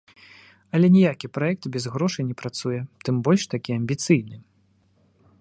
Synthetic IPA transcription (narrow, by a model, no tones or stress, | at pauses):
ɐlʲɛnʲijakʲipɾajɛk̚t̪bʲɛzɣɾɔʂɨnʲɛpɾat̪sujɛt̪ɨmbɔlʲʂt̪akʲiɐmʲbʲit̪sɨjnɨ